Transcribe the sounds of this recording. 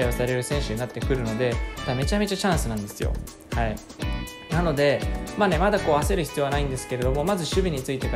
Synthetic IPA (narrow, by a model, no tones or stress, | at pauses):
osaɾe̞ɾɯ̟sẽ̞ɰ̃ɕɨɲ̟inat̪ːe̞kɯ̟ɾɯ̟no̞d̪e̞t̪ame̞t͡ɕame̞t͡ɕat͡ɕãɰ̃sɨnãnd̪e̞sɨjo̞̰ | hai | nano̞d̪e̞maːne̞mad̪ako̞ːβase̞ɾɯ̟çi̥t͡sɨjo̞anaĩnd̪e̞sɨ̥ke̞ɾe̞d̪o̞mo̞mazɨɕɨbʲiɲ̟it͡sɨit̪e̞ka